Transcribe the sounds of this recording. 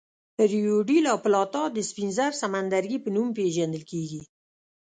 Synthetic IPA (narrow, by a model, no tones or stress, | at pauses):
əɾijoɖilaplɑt̪ɑd̪əspinzaɾsamand̪aɾɡipənumpeʒand̪əlkeɡi